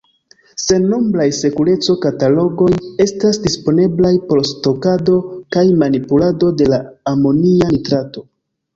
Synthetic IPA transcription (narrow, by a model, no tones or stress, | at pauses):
se̞no̞mblajse̞kule̞t͡so̞katalo̞ɡo̞je̞stasdispo̞ne̞blajpo̞ɾsto̞kado̞kajmanipulado̞de̞laːmo̞nianitɾato̞